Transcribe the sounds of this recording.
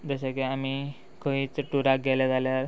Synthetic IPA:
d͡z̪əɕakiami | kʰõʋit͡səʈːuɾak̚ɡɛlad͡zaljaɾ

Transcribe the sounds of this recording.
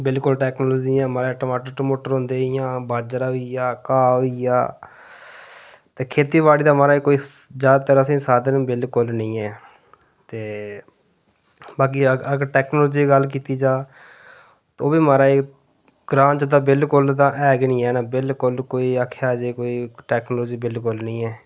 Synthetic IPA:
bɪlkʊlʈɛːknoːlɔːd͡ʒiːãːmaːɾaʈoːmaːʈəʈəmoːʈəɾɦʊ̃ːnd̪eːijãːbaːd͡ʒəɾaːijaːkaːija̰ː | t̪eːkʰeːt̪iːʋaːɽiːd̪aːmaːɾaːikoːiːzjaːd̪aːt̪əɾaːsĩːsaːd̪ənbɪlkʊlnĩːɛː | t̪eː | baːk̬iːəɡəɾʈɛːknoːlɔːd͡ʒiːɡəlkiːt̪iːd͡ʒaː | t̪oːbiːmaːɾaːe | ɡ̥ɾãːt͡ʃd̪aːbɪlkʊlt̪ãːʔɛːɡnĩːɛːnaːbɪlkʊlkoːiːaːkʰaːd͡ʒeːkoːiːʈɛːknolɔːd͡ʒiːbɪlkʊlnĩːɛː

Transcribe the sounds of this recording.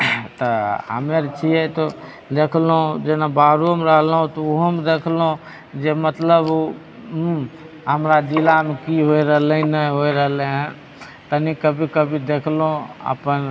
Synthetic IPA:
t̪əə̰meɾt͡ʃʰiɛt̪o | d̪ekʰlũd͡ʒenabaɾumɾəɦlɦũt̪ɔuɦəmd̪ekʰlõ | d͡ʒemət̪ləbu | ɦəmɾad͡ʒilamekiɦoiɾəɦlenəɦoiɾəɦlẽɦɛ̃ | t̪ənikəbʱikəbʱid̪ekʰlõə̰pən

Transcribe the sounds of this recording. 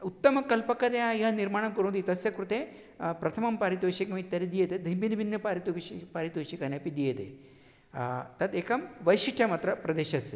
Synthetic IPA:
ut̪ːɐmɐkɐlpɐkɐt̪ejaiɦɐniɾmaːɳɐmkuɾõnd̪it̪ɐsjɐkɾut̪eː | pɾɐt̪ʰɐmɐmpaːɾit̪ʋɐʃikɐmit̪ːɐɾid̪ijɐt̪ed̪ʱibinibinjɐpaːɾit̪ʃipaːɾit̪ʋɐʃikɐnɐpid̪ijɐt̪ḛ | t̪ɐt̪eːkɐmʋɐjʃiʈʰjɐmaːt̪ɾɐpɾɐd̪eːʃɐs

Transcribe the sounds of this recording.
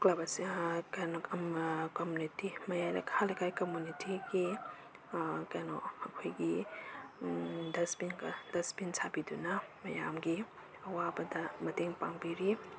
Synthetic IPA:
klabɐsikajnokomjunitimɐjajlɐ̰khalɐkʰajkomunitiɡi | kajno̰ɐkʰojɡi | dɐspinkd̥ɐspinsʰabidunɐmɐja̰mɡi | ɐwabɐdɐmɐteŋpaŋbiɾi

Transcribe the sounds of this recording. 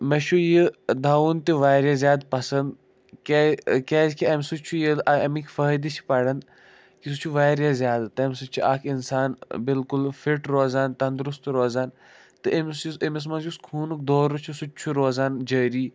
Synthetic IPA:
mɐʃʰujid̪aːuːnt̪iʋaːɾʲjazjaːd̪pɐsɐnd̪ | kekʲeːzkiɐmsut͡ʃʰujilʔɐmikʰfəːd̪it͡ʃʰi̥pɐɽɐn | kisut͡ʃʰuʋaːɾjazʲjaːd̪t̪ɐmsut͡ʃʰuʔaːkʰinsaːnbɪlkʊlfiʈɾoːzaːnt̪ɐnd̪ɾʊst̪ɾoːzaːn | t̪ɨʔimsusimis̬mɐnd͡ʒuskʰuːnuk̚d̪oːɾut͡ʃʰusut͡ʃʰuɾoːzaːnd͡ʒəːɾiː

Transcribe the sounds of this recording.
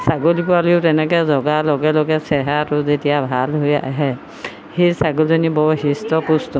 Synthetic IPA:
saɡolikɔaliʊtɛnɛkɛzɔɡalɔɡɛlɔɡɛsɛɦaɾuzetijabʱalɦoja̰ɦɛ | hesaɡulzɔnibɔɦistɔpustɔ

